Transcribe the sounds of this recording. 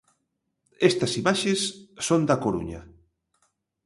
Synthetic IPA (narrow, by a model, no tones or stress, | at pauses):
ɛst̪ɐsimaʃesːond̪ɐkoɾṵɲɐ̰